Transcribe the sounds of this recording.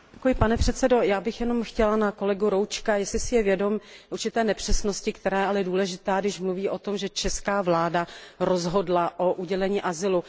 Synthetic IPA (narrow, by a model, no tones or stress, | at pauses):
ɛkujɪpanɛpr̥ɛt̪sɛdo̞jaːbɪxjɛno̞mxcɛlanako̞lɛɡuɾowt͡ʃkajɛslɪsɪjɛvjɛdo̞muɾt͡ʃɪt̪ɛːnɛpr̝̥ɛsnoscɪkt̪ɛɾaːjɛalɛduːlɛʒɪt̪aːɡdɪʃmluviːʔot̪o̞mʒɛt͡ʃɛskaːvlaːdaɾozɦo̞dlaʔoʔuɟɛlɛɲiːʔazɪlu